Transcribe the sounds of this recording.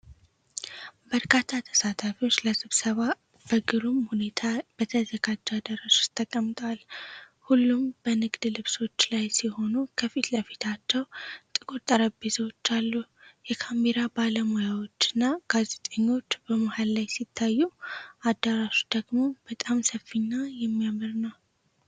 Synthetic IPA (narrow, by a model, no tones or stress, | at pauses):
bəɾkʰat̪ʰːat̪ʰə̥sat̪ʰafiwo̞t͡ʃːləsɨβsəβa | b̥əɡɨɾumhune̞t̪ʰab̥ət̪ʰəzəɡad͡ʒːad̪əɾaʃo̥t̪ʰʼːəkʼːəmt̪ʼwal | hulːumbənɨɡd̪lɨβso̞t͡ʃːlajsiho̞nukʰəfit̪ləfit̪ʰat͡ʃːɛwt̪ʼɨkʼot̪ʼːəɾabezwot͡ʃːalːujɛkʰamːeɾabaləmojawo̞t͡ʃːɨnːaɡ̥aze̞t̪ʼəɲːo̞t͡ʃːbəmohalːajsit̪ʰːajːuʔad̪əɾaʃod̪̥əɡmo̞b̥ət̪ʼamsəfiɲːajɛmːijamɨɾnəw